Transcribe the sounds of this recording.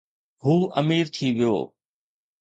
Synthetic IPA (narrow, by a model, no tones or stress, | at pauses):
ɦuːʔəmiːɾt̪ʰiʋɪjo̰ː